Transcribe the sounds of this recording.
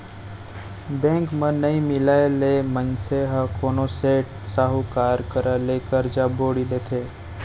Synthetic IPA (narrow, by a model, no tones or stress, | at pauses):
bẽːŋkmə̃nəĩmɪlaːelemənseɦəkoːnoseːʈ | saːɦukaːɾkəɾʔalekəɾd͡ʒaboːɽilet̪ʰeː